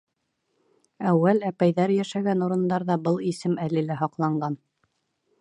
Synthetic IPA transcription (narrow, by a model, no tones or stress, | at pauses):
æwːælæpæjðæɾjæʃæɡænuɾɤ̆nd̪ɑɾðɑbɤlˠisɘmælɘ̆læɦɒqlˠɑɴɢɑn